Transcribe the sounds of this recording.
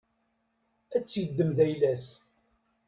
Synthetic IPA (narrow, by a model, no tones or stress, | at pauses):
æt͡sːjəd̪ːəmðæjlæs